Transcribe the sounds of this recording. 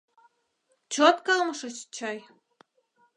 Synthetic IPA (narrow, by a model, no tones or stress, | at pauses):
t͡ɕot̪kɤlmɤ̆ʃɤ̆t͡ɕt͡ɕɑj